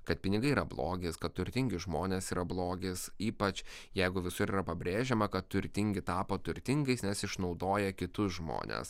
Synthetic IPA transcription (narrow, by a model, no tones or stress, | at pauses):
kɐt̪̚pʲɪnʲɪɡɐɪiːɾɐblˠo̰ːɡʲeɪskɐt̪t̪ʊɾʲt̪ʲɪŋʲɡʲɪʒmoːnʲesiːɾɐblˠoːɡʲeːsiːpɐt͡ʃʲ | jɛɪɡʊʋʲɪsʊɾiːɾɐpɐbʲɾʲeːʒʲɛmɐkɐt̪t̪ʊɾʲt̪ʲɪŋʲɡʲɪt̪ɑːpoːt̪ʊɾʲt̪ʲɪŋɡɐɪsnʲɛsɪʃnɒʊd̪oːjɛkʲɪt̪ʊsʒmo̰ːnʲḛs